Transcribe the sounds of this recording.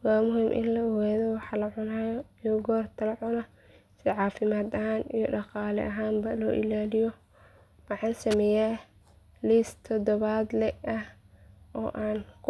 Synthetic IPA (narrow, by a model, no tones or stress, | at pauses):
waːmʊɦiːmʔɪ̰nlɐʊwɛːðɔwɑħɑlɐʕʊnaːjijɔɡɔːrt̪ʰɐlɐʕʊnɐ | sɪʕɑːfɪmaːd̪ɐɦaːnijɔɖɑqɑːlɛ̰ʔɐɦaːmbɐlɔ̰ːʔɪ̰laːlɪjɔ | wɑħɑːnsɐmɛːjaː | list̪ʰɔd̪ɔβaːd̪lɛɐh | ʔɔ̰ːʔaːnkʰ